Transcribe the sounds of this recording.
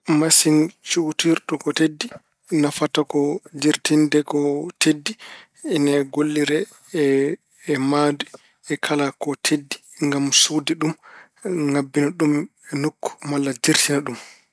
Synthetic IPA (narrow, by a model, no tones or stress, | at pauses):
masint͡ʃutiɾɗɔkɔtedːi | nafatakɔd͡ʒiɾtindɛkɔtʰedːi | inaɡolːiɾɛ | ɛː | madi | ɛkʰalakɔtʰedːi̥ŋɡamsudiɗum | ŋabːinaɗum | ɛnukːu̥malːad͡ʒiɾtʰinaɗum